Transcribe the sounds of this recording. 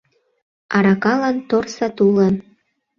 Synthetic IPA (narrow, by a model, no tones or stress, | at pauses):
ɑɾɑkɑlɑnt̪orsɑt̪ulən